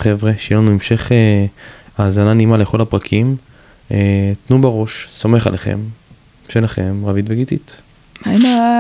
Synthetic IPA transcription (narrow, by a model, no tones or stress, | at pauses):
χevʁeʃejelanue̞mʃe̞χe | aːzananimale̞χo̞lapʁakʰim | et̪nubaʁo̞ʃso̞me̞χa̰leχḛm | ʃe̞laχe̞mʁavit̪veɡit̪it̪ | ana